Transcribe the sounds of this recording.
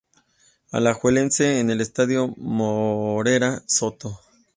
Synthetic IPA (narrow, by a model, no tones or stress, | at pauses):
a̰laxwelent͡seːnelest̪aðjomoɾeɾasot̪o